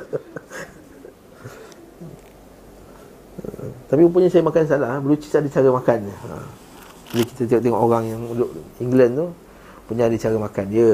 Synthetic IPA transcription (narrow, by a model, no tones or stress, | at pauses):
t̪apiup̬uɲasajəmakans̬alahbəlut͡ʃi̥sadət͡ʃaɾəmakanəə̰ | aluki̥t̪ət̪eoʔt̪eŋɔʔoɾaŋjaŋudoʔiŋɡlənt̪u | puɲaadət͡ʃaɾəmakandiə